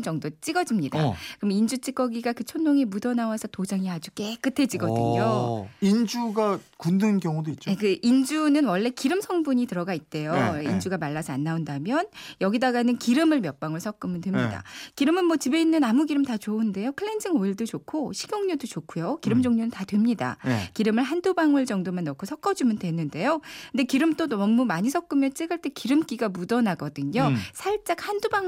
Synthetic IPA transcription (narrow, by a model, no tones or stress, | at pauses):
nd͡ʑʌŋdot͡ɕ͈iɡʌd͡ʑimɲida̰kɯɾmind͡ʑut͡ɕ͈ik͈ʌɡiɡakɯt͡ɕʰonːoŋimudʌnawasʰʌtod͡ʑaŋiɦad͡ʑuk͈ek͈ɯtʰe̞d͡ʑiɡʌdɯ̰ɲoind͡ʑuɡakundɯnkjʌŋudoit̚t͡ɕ͈oekɯʔind͡ʑunɯnwʌɭːe̞kiɾɯmsʰʌŋbuɲitɯɾʌɡait̚t͈e̞joind͡ʑuɡamaɭːasʰʌanːaundamjʌnjʌɡidaɡanɯnkiɾɯmɯɭmjʌp͈aŋɯɭsʰʌk̚k͈ɯmɯntwemɲida̰kiɾɯmɯnmwʌt͡ɕibe̞inːɯnamuɡiɾɯmtat͡ɕounde̞jokʰɯɭːend͡ʑiŋoiɭdot͡ɕokʰoɕʰiɡ̥ʲjoŋɲodot͡ɕokʰujokiɾɯmd͡ʑoŋɲonɯntadwe̞mɲida̰kiɾɯmɯɭɦandobaŋɯɭd͡ʑʌŋdomanːʌkʰosʰʌk͈ʌd͡ʑumjɯʌndwe̞nɯnde̞jokɯnde̞kiɾɯmt͈oʌmːumaɲisʰʌk͈ɯmjʌnt͡ɕ͈eɡɯɭt͈e̞kiɾɯmk͈iɡamudʌnaɡʌdɯɲosʰaɭt͡ɕ͈ak̚handobaŋ